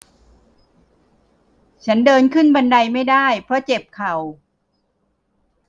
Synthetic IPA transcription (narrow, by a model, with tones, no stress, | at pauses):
t͡ɕʰa˦˥ndɤː˧nkʰɯ˥˩nba˧nda˧jma˥˩jdaː˥˩jpʰɾɔ˦˥t͡ɕe˨˩p̚kʰa˨˩w